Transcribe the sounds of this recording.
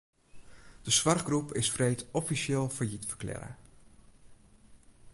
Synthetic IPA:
d̥əsʋɑrχɡrupɪsfrejtɔfiʃɪːlˠfajitfə̥klɪ̰ːɾə̰

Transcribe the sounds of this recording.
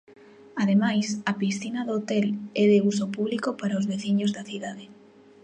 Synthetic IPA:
aðemajsɐpisθinɐðot̪ɛlɛðeusopuβlikopaɾaozβeθiɲozðɐθiðaðe

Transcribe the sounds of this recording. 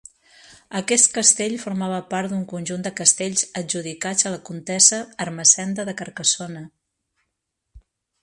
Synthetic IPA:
əkɛst̪̚kəst̪eʎfuɾmaβ̞əpaɾt̪d̪uŋkunʲʒund̪əkəst̪eʎzəd͡ʒuðikad͡zələkunt̪ɛzəːrməsɛnd̪əðəkəɾkəsonə

